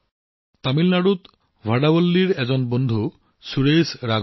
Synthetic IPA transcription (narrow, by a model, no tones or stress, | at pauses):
t̪amilnaɽut̪ | vʱaɖabolːiɾɛd͡ʑonbond̪ʱu | suɾesɾaɡ